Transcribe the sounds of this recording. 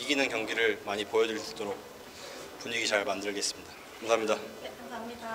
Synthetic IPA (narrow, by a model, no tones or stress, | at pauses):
iɡinɯnkjʌŋɡiɾɯɭmaɲipojʌdɯis͈t͈oɾok̚ | puɲiɡit͡ɕaɭmandɯɭɡe̞s͈ɯmɲida | kʰamsʰaːmɲida